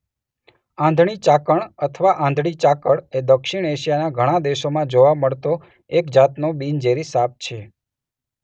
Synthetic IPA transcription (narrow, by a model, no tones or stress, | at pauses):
ãnd̪ʱɳ̃it͡ʃakəɳət̪ʰəʋaʔãnd̪ʱɽ̃it͡ʃakəɽed̪əkʃiɳeʃijanaɡʱəɽ̃ad̪eʃomãd͡ʒoʋaməɭt̪o | ekd͡ʒat̪nobind͡ʒeɾisap̚t͡ʃʰe